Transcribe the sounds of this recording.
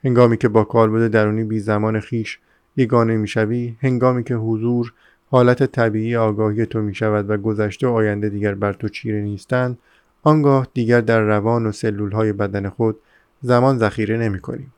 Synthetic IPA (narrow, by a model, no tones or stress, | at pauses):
he̞ŋɡɒːmiːcʰe̞bɒːkʰɒːɾboɾd̪e̞d̪æɾuːniːbiːzæmɒːne̞xiːʃ | je̞ɡɒːnemiːʃæviːhe̞ŋɡɒːmiːkcʰe̞ɦozuːɾ | hɒːlæt̪ʰet̪ʰæbiːʔiːjeɒːɡɒːhije̞t̪ʰo̞miːʃævæd̪væɡo̞zæʃt̪eɒːjænd̪e̞d̪iːɟæɾbæɾt̪ʰo̞t͡ʃʰiːɾeniːst̪ænd̪ | ɒŋɡɒːhd̪iːɟæɾd̪æɾːævɒːnose̞lːuːlɦɒːje̞bæd̪æne̞xo̞d̪̥ | zæmɒːnzæxiːɾe̞ne̞miːkʰo̰niːm